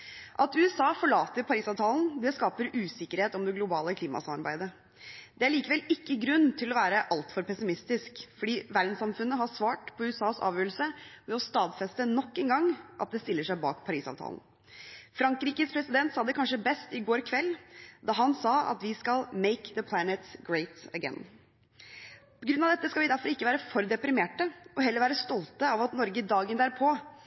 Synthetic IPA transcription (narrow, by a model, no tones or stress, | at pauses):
ʔɑt̪ʉːɛsɑːfɔɭɑːt̪əɾpʰɑɾiːsɑːʋt̪ʰɑːln̩d̪ɛskɑːpəɾʉːsɪkːəɾheːt̪ɔmd̪ɛɡlʊbɑːləkʰliːmɑ̰sɑmɑɾbæ̰ɪd̪ə | d̪ɛæɭiːkəʋɛlɪkːəɡɾʉnːt̪ʰɪlɔʋæːɾəʔɑlt̪fɔɾpʰɛsɪmɪst̪ɪskfɔɖiːʋæɾd̪nsɑmfʉnːəɦɑsʋɑːʈpʰɔʉːɛsɑːsɑ̰ːʋjøːəlsəmɛɔst̪ɑːd̪fɛst̪ənɔkːɛnɡɑŋːʔɑ̰t̪̚d̪ɛst̪ɪlːəʂæɪbɑ̰ːkpʰɑɾiːsɑ̰ʋt̪ʰɑ̰ln̩ | fɾɑŋkɾiːkəspʰɾɛsɪd̪ɛnt̪sɑːd̪ɛkʰɑnʂəbɛst̪ɪɡoːɾkʰʋɛlːd̪ɑɦɑnsɑɑ̰t̪ʋɪskɑlˠmeɪkðəpʰlænət̪sɡɹeɪt̪əɡɛ̰n | pʰɔɡɾʉnɑʋd̪ɛt̪ːəskɑlʋɪd̪æɾfɔɾɪkːəʋæːɾəfɔɾd̪ɛpɾɪmeːʈəɔɦɛlːəɾʋæːɾəst̪ɔlt̪əɑʋɑt̪nɔɾɡəd̪ɑːɡənd̪æːɾpʰɔ